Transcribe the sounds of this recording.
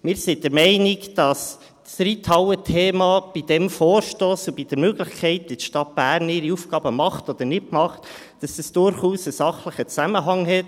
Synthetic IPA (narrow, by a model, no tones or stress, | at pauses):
mɪːɾsɪdəɾmɛɪnɪkd̥ɑs | sɾitʰɑwətʰeːmɑb̥id̥ɛmfoːɾʃtoːsub̥id̥əɾmøɡləχkʰɛɪt̚ditʃtɑt̚b̥æːrnɪɾiufɡ̥ɑːbəmɑχtɔd̥̪ənɪtmɑχt | d̥ɑsəsd̥ʊɾχuːsəsɑχləχət͡sæməɦɑŋɦɛt